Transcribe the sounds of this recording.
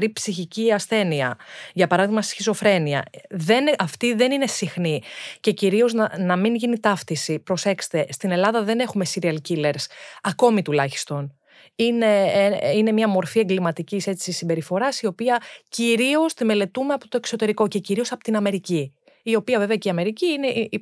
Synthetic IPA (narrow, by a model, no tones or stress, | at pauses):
ɾipsiçiciɐsθe̞niɐ̰ʝɐpɐɾɐðiɣmɐst̪i̥sçiso̞fɾe̞niɐ̰ðe̞nɐft̪iðe̞nine̞sixnice̞ciɾio̞znɐnɐminʝinit̪ɐfθisipɾo̞se̞kse̥t̪e̞st̪ine̞lɐðɐðe̞ne̞xume̞siɾiɐlcile̞ɾsɐko̞mit̪ulɐçi̥st̪o̞n | ine̞ine̞mɲɐmo̞ɾfie̞ŋɡlimɐt̪icise̞t͡sisimbe̞ɾifo̞ɾɐsio̞piɐciɾio̞st̪ime̞le̞t̪umeɐpo̥t̪o̞ekso̞t̪e̞ɾiko̞ce̞ciɾio̞sɐpot̪inɐme̞ɾici | io̞piɐve̞veɐceiɐme̞ɾiciine̞ʔii